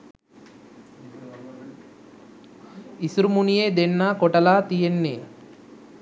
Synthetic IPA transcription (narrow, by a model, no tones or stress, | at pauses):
isuɾumunijeːd̪eɳːaːkɔʈɐlaːt̪ijenːeː